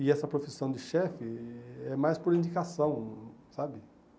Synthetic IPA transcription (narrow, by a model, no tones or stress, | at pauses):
ɪɛsɐpɾofisɐ̃w̃d̪ɪʃɛfɪɛmajspoɾĩnd̪ikasɐ̃w̃sabɪ